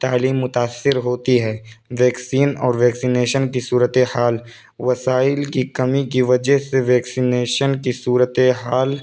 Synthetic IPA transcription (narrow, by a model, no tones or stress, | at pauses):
t̪aːliːmːʊt̪aːsːɪɾɦoːt̪iɦɛːʋɛːksiːnɔːɾʋɛːksineːʃənkisuːɾət̪ehaːl | ʋɐsaːɪlkikɐmikiʋɐd͡ʒɛɦseʋɛːksineːʃənkisuːɾət̪eɦaːl